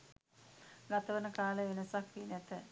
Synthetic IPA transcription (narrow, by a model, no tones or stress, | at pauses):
ɡat̪əʋənəkaːləenəsakʋinɛt̪ə